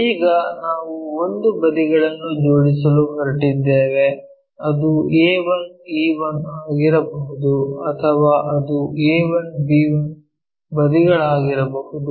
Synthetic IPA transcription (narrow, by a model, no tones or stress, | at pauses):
iːɡɐnaːʋuond̪ubɐd̪iɡɐɭɐnːud͡ʒo̞ːɽisɐluɦɐɾiʈid̪ːeːʋe̞ | ɐd̪ueːʋɐniːʋɐnaːɡiɾɐbɐɦud̪uɐt̪ʰɐʋaːʔɐd̪ueːʋɐnbiːʋɐn | bɐd̪iɡɐɭaːɡiɾɐbɐɦud̪u